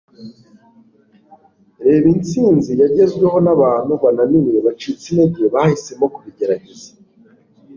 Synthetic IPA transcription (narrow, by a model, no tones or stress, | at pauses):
ɾe̞ːβint͡siːnzijaɾɟe̞zɡwe̞ɦo̞naβaːn̥huβananiweβat͡ʃit͡sineɟeβahise̞mo̞kuβiɟe̞ɾaɟe̞zḁ